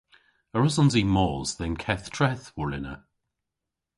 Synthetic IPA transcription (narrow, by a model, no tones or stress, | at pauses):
əɹɔsɔ̃nzimɔːzðənkʰɛθtʰɹɛθwɔlɪnə̰